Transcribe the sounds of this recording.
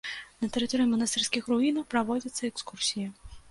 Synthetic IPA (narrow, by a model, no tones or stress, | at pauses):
nɐt̪ɛɾɨt̪ɔɾɨjimɐnɐst̪ɛrsʲkʲixruinɐwpɾavɔd͡zʲit̪sːɐɛkskursʲijɐ